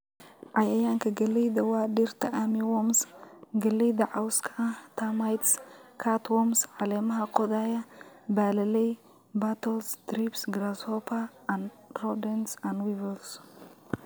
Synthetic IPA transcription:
ʕajɐjankʰɐɡɐlɐjd̪ɐwad̪iɾt̪ʰɐʔamiwomsɡɐlːɐjd̪ɐʕawskʰɐʔat̪ʰamajt̪skʰat̪womsʕalɐmɦakʼod̪ajabalɐlɐj | bat̪ʰɐlsd̪ɾipsɡɾasopʰa | n | ɾod̪ɐnsanwivɐls

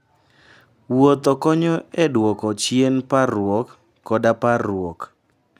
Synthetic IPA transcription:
wot̪ɔkɔɲɔɛdwɔkɔt͡ʃjenparwɔkː | ɔdaparwɔk

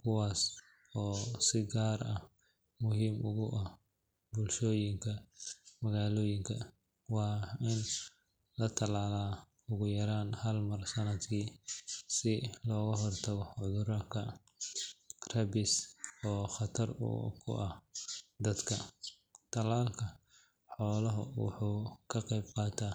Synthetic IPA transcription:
kʰʊwaːs | ɔːsɪɡaːrɐ | mʊɦiːmʔʊɣʊʔɐ | bʊlʃɔːjɪŋkʰɐmɐɣaːlɔːjɪŋkʰɐ | wɑːɪn | lɐt̪ʰɐlaːlaː | ʊɣʊjɐɾaːnhɐlmɐrsɐnɐd̪kʰiːsɪlɔːɣɐɦɔrt̪ʰɐɣɔʕʊðʊɾaːkʰɐ | rɐbɪsɔːχɑt̪ʰɐrṵkʰʊ̰ʔɐd̪ɐd̪kʰɐ | t̪ʰɐlaːlkʰɐ | ħɔːlɐɦʊ̰wʊ̰ħuːkʰɐqɛjb̚qɑːt̪ʰaː

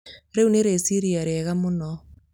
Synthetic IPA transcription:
ɾeuneɾesiɾiaɾeɣamonɔ

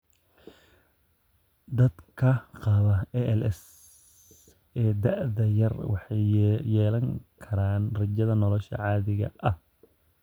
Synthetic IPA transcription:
d̪ɐd̪kʰɐqɑβɐɛʔɛlɛs | ɛːd̪ɐʕðɐjɐrwɑħɑjːɛːlɐŋkʰɐɾaːnrɐd͡ʒɐðɐnɔlɔʃɐ̰ʕɑːðɪɣɐ̰ʔɐh

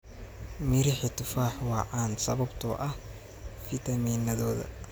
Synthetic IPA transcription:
mɪɾɪħɪt̪ʊfaːħwɑːʕɑːnsɐβɐbt̪ʰɔ̰ːʔɐh | fɪt̪ʰɐmiːnɐðɔːðɐ̰

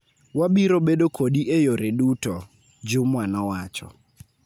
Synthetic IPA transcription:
waɓiɾɔɓeɗokʰoɗiʔejoɾeɗutɔ | d͡ʒʊmwanɔwat͡ʃɔ̰

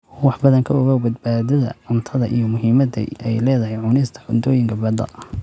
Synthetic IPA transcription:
wɑħbɐðɐŋkʰɐɔɣɐwbɐd̪̚baːðɐðɐ̰ʕʊnt̪ʰɐðɐʔḭjɔmʊɦiːmɐd̪ɐ̰ɛjlɛːðɐɦɛjʕʊnɛst̪ʰɐ̥ħʊnd̪ʰɔːjɪŋkʰɐbɛd̪ɐ̰

